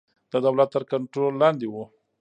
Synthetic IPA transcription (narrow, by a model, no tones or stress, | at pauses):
d̪əd̪awlat̪ːəɾkaɳʈɾolːɑnd̪ewu